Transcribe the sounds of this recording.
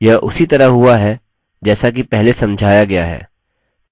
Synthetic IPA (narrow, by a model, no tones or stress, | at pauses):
jɐʔʊsit̪ɐɾəɦɦʊaɦɛ | d͡ʒɛːsak̬ipɛɦlesɐ̃md͡ʒʱaːjaɡɐjaɦɛ̰ː